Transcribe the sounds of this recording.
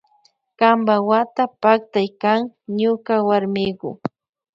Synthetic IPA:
kambawat̪apak̚t̪ajkaŋɲʊkawaɾmɪɢʊ̰

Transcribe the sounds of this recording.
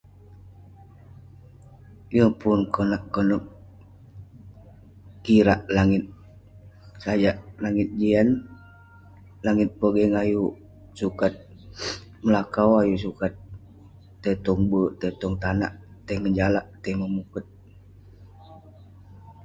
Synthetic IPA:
jəpunkonaʔkonɔk | kiɾaʔlaŋɪt̪̚ | sad͡ʒaʔlaŋɪt̪̚d͡ʒian | laŋɪt̪̚pəɡəŋaju | sukat̪̚ | məlakawajus̬ukat̪̚ː | ət̪ɔŋbət̪ət̪ɔŋt̪ana̰ʔt̪əŋəd͡ʒalaʔt̪əiməmukət̪̚

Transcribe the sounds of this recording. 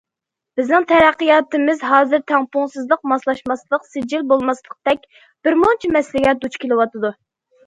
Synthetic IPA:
b̥ɪznɨŋt̪ʰɛɾæqːəjɑːt̪ɨmɪzɦɑːzɨɾt̪ʰɛŋpʊŋsɨzlˠəq̚mɑslˠɑʃmɑslˠəqsɪd͡ʒilbolˠmɑslˠəq̚d̪̥ɛk̚ʲ | b̥ɪɾmont͡ʃʰimɛslɪɡʲɛd̪ut͡ʃkʲʰelɨwɑt̪ɨd̪u

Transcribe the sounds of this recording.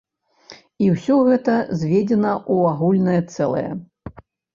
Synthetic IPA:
iwsʲɔɣɛt̪ɐzʲvʲed͡zʲɛnɐʔuaɣulʲnɐjɐt̪sɛlˠɐ̰jɛ̰

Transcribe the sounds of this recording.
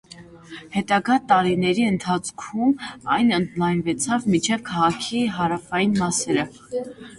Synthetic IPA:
hɛt̪ɑɡɑt̪ɑɾinɛɾiənt̪ʰɑt͡sʰkʰumɑjnənd̪lɑjnvɛt͡sʰɑvmit͡ʃʰɛvkʰɑʁɑkʰiɦɑɾɑfɑjinmɑsɛɾə

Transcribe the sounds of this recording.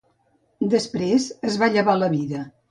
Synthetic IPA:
d̪əspɾezəzβaʎəβaləβiðə

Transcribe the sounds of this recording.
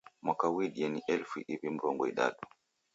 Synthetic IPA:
mwakawiɗiɛniʔɛlfiʔipim̩ɾɔŋɡɔḭɗa̰ɗu

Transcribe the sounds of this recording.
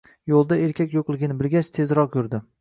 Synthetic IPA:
jolˠd̪ae̞ɾkʲakʲjoqlˠɪɡʲɪnɪbɪlɡʲat͡ʃt̪ʰe̞zɾɒq̚jʊɾd̪ɪ

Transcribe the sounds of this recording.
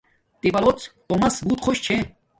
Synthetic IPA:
t̪ibɐlot͡st̪omɐsbuːt̪χʰoɕt͡ɕʰe

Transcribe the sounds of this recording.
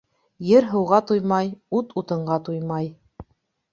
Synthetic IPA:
jɘɾɦɤ̆wʁɑt̪ujmɑjut̪ut̪ɤ̆ɴɢɑt̪ujmɑj

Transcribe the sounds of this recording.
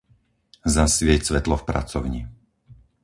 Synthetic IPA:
zasʋɪɛcsʋɛt̪lɔfpɾa̰t͡sɔʊɲi

